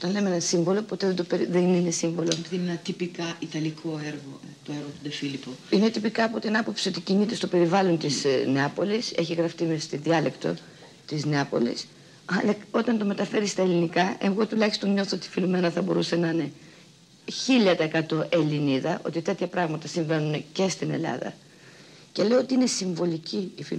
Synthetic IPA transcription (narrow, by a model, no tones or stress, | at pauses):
ot̪ɐnle̞meenɐsiɱvo̞lo̞po̞t̪eðed̪opeɾiðenine̞siɱvo̞lopiðinenɐt̪ipikɐit̪ɐlikʰoeɾɣo | t̪oeɾɣot̪ud̪efilipoinet̪ipikɐːpo̞t̪inɐpo̞psio̞t̪icinit̪e̞st̪o̞pe̞ɾivɐlont̪izneɐpo̞lise̞çiɣɾɐft̪imest̪inðiɐle̞kt̪o̞̰ | t̪izneɐpo̞̰lḭs | ɐlɐo̞t̪ɐnt̪ome̞t̪ɐfe̞ɾist̪ɐelinikɐʔe̞ɣo̞t̪ulɐçist̪o̞nɲo̞θoot̪ifilume̞nɐθɐbo̞ɾuse̞nɐne̞ | çiʎɐt̪ɐekɐt̪o̞ʔe̞liniðɐʔo̞̰t̪it̪e̞t̪çɐpɾɐɣmɐt̪ɐsiɱve̞nunce̞st̪ine̞̰lɐ̰ðɐ̰ | ce̞le̞oo̞t̪iine̞siɱvo̞liciːfi